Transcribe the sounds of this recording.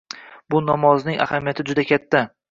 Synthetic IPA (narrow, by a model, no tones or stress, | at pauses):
bʊnɒmɒznɪŋa̰hamijat̪ʰɪd͡ʒʊd̪akʲʰat̪ʰːa